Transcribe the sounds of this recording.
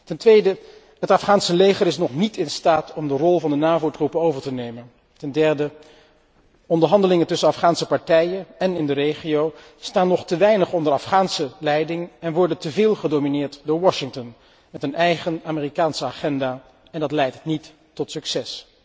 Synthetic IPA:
tɛntʋejdə | ɦətɑfχaːnsəlejχəɾɪsnɔχnitɪnstaːtɔmdərɔlˠvɑndənaːvowtrupənowvəɹtənejmən | tɛndɛɹdə | ɔndəɹɦɑndəlɪŋəntɵsənɑfχaːnsəpɑɹtɛjənɛnɪndərejχiow | staːnːɔχtəʋɛjnəχɔndəɹɑfχaːnsəlɛjdɪŋɛnʋɔɹdəntəvɪːlˠχədowminɪːɹtdʊːɹʋɔʃɪŋtɔn | mɛtənɛjχənaːmɪːrikaːnsəaːχɛndaː | ɛndɑtlɛjtnitː | ɔtsyksɛs

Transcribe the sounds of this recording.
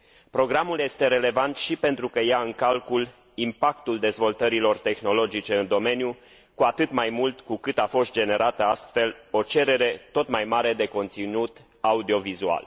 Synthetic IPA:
pɾo̞ɡɾamulje̞st̪e̞ɾe̞le̞vant̪ʃipe̞nt̪ɾukəjaɨŋkalkul | impakt̪uld̪e̞zvo̞lt̪əɾilo̞rt̪e̞xno̞lo̞d͡ʒit͡ʃe̞ɨnd̪o̞me̞nju | kuat̪ɨt̪majmult̪kukɨt̪afo̞st̪̚d͡ʒe̞ne̞ɾat̪əast̪fe̞lo̞t͡ʃe̞ɾe̞ɾe̞t̪o̞t̪majmaɾe̞d̪e̞ko̞nt̪sinut̪ | aud̪io̞vizua̰l

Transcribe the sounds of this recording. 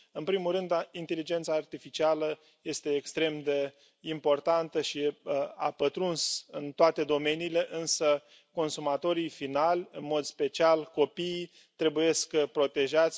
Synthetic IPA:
ɨnpɾimulɾɨnd̪int̪e̞lid͡ʒe̞nt̪saːrt̪ifit͡ʃialə | je̞st̪e̞ːkst̪ɾe̞md̪e̞ | impo̞rt̪ant̪əʃia̰pət̪ɾunsɨnt̪oat̪e̞d̪o̞me̞niːle̞ʔɨnsə | ko̞nsumat̪o̞ɾijfinalʲɨnmo̞d̪spe̞t͡ʃialko̞pi | t̪ɾe̞buje̞skpɾo̞t̪e̞ʒat̪sʲ

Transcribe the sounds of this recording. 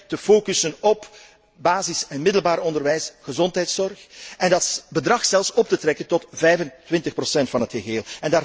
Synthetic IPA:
təfoːkysənɔp | baːzɪsɛnmɪdəlˠbaːɾɔndərʋɛjsɣəzɔntɦɛjtsɔrxɛndɑtbədrɑxsɛlˠfsɔp̚tətrɛkəntɔtvɛjvəntʋɪntəxprosɛntfɑnɦətxəɣeːlˠɛndaː

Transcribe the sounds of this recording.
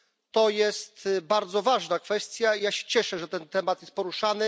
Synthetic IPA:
t̪ɔjɛstt̪baɾd̪zɔvaʐnakfɛst̪ʲjaijaɕɛ̥t͡ɕɛʂɛʐɛt̪ɛnt̪ɛmat̪jɛst̪̚pɔɾuʂanɘ

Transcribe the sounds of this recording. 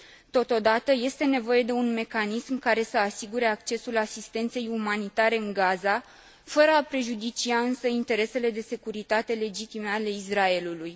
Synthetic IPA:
t̪o̞t̪o̞d̪at̪əje̞st̪e̞ne̞vo̞je̞d̪e̞unme̞kanismkaɾe̞səasiɡuɾe̞ak̚t͡ʃe̞sulasist̪e̞nt̪se̞jumanit̪aɾe̞ɨŋɡaza | fəɾəapɾe̞ʒud̪it͡ʃiaɨnsəint̪e̞ɾe̞se̞le̞d̪e̞se̞kuɾit̪at̪e̞le̞d͡ʒit̪ime̞ale̞israe̞luluj

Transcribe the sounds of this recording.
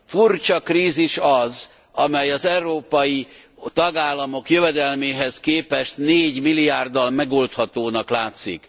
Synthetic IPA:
furt͡ʃɒkriːziʃɒz | ɒmɛjɒzɛuɾroːpɒji | t̪ɒɡaːlːɒmo̞kjø̞vɛd̪ɛlmeːɦɛskeːpɛʃt̪neːɟmilːijaːrd̪ɒlmɛɡo̞lt̪hɒt̪oːnɒklaːt̪sḭk

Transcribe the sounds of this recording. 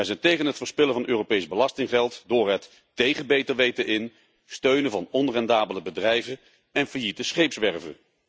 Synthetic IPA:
ʋɛjzɛjntejχənɦətfəːɹspɪlənvɑnʔøːrowpejzbəlɑstɪŋχɛlˠtdʊːɹɦətː | ejχəbejtəɹʋejtəʔɪn | støɥnəvɑnɔnrɛndaːbələbədrɛjvə | ɛnvəɹjitəsχejpsʋɛɹvə̰

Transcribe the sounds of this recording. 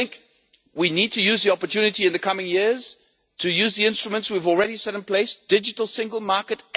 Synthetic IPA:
ɪ̃ŋk | winid̚tʰɨjʉzðiɑpə˞tʰʉnɨɾiɨ̃nðɨkʰʌmɪ̃ŋjɪɹz̥ | tʰɨjʉzðiɪ̃nstɹ̥əmə̃ntswivl̩ˠɹɛɾisɛɾɨ̃npʰl̥eɪsd̥ɪd͡ʒɨɾl̩ˠsɪ̃ŋɡəl̩ˠmɑɹkɨt

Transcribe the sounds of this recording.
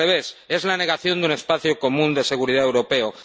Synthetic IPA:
eβese̞zlane̞ɣ̞aθjo̞nd̪une̞spaθjoko̞mũnd̪e̞se̞ɣ̞uɾiðaewɾo̞pe̞o

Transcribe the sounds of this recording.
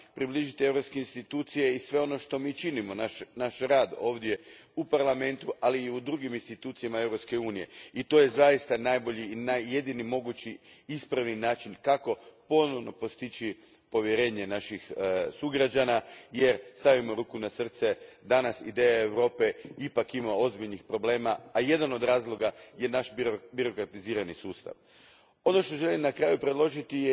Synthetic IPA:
pɾibliʒit̪ie̞ʋɾo̞pskeinst̪it̪uːt̪sije̞isʋe̞o̞no̞ʃt̪o̞miːt͡ʃinimo̞naʃnaʃɾaːd̪o̞ːʋd̪je̞upaɾlˠame̞nt̪uʔaliːud̪ɾuɡiminst̪it̪uːt̪sijamae̞ʋɾo̞pske̞uːnije̞̰it̪o̞je̞zajist̪anaːjbo̞ʎiːnaje̞d̪inimo̞ɡut͡ɕiispɾaʋninaːt͡ʃinkako̞po̞no̞ʋno̞po̞st̪it͡ɕi | po̞ʋje̞ɾe̞ːɲe̞naʃixsuɡɾad͡ʒanaje̞ɾst̪aʋimo̞ɾuːkunasr̩t̪sed̪anasḭd̪e̞jaeʋɾo̞ːpe̞ipakimao̞zbiʎnixpɾo̞ble̞ːmaːje̞d̪ano̞d̪ɾaːzlˠo̞ɡaje̞naʃbbiɾo̞kɾat̪iziːɾanisuːst̪a̰ʋ | o̞no̞ʃt̪o̞ʒe̞limnakɾaːjupɾed̪lˠo̞ʒit̪ije

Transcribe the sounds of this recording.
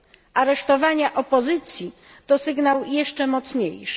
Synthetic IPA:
aɾɛʂt̪ɔvaɲaʔɔpɔzɘt̪sʲji | t̪ɔsɘɡnawjɛʂt͡ʂɛmɔt̪sɲḛjʂɘ̥

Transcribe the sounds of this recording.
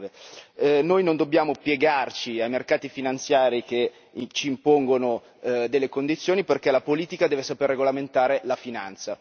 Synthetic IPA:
ve | nojnond̪obːjaːmopjeɡart͡ʃiajmerkaːt̪ifinant̪sjaːɾike | t͡ʃiːmpoŋɡono | d̪elːekond̪it̪sːjoːniperkɛlapoliːt̪ikad̪ɛːvesaperːeɡolament̪aːɾelafinant̪sa

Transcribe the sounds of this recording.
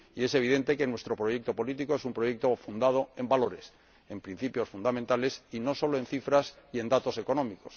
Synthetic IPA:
ie̞se̞β̞iðe̞nt̪e̞ke̞nwe̞st̪ɾopɾo̞ʝe̞k̚t̪o̞po̞lit̪ikoe̞sumpɾo̞je̞k̚t̪o̞fund̪að̞o̞e̞mbalo̞ɾe̞s | e̞mpɾin̟θipjo̞sfund̪amẽnt̪ale̞sino̞so̞loe̞nθifɾasie̞nd̪at̪o̞se̞ko̞nõ̞miko̞s

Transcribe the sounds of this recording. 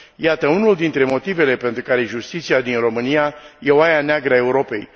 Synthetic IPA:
jat̪əunuld̪int̪ɾe̞mo̞t̪ive̞le̞pe̞nt̪ɾukaɾe̞ʒust̪it̪siad̪inro̞mɨnijaje̞oajaneaɡɾəae̞uɾo̞pe̞̰j

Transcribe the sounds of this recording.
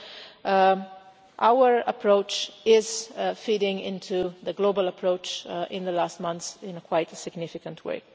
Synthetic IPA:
ʔaʊə˞əpʰɹ̥oʊt͡ʃɪz̥fiɾɪ̃ŋɪ̰̃ntʰuðəɡlobələpʰɹoʊt͡ʃʔɪ̃nd̪əlast̚mʌ̃nθsɪ̃nəkʰw̥aɪtsɪɡnɪfɪkə̃ntʰwḛɪ

